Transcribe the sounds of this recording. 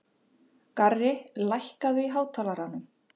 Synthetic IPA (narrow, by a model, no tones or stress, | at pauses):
karːɪlajhkaðvɪɦaːwt̪ʰalaɾanːʏm